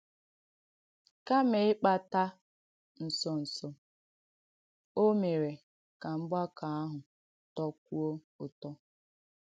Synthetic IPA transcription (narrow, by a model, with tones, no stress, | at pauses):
ka˦mɪ˨ɪ˦k͡pa˦ta˦ | n̩˨sɔ˨n̩˨sɔ˨ | o˦me˨ɾe˨ | ka˨m̩˦ba˦ka˨a˦ɦʊ˨ | tɔ˦k̚ʷu˦o˦ | ʊ˨tɔ˦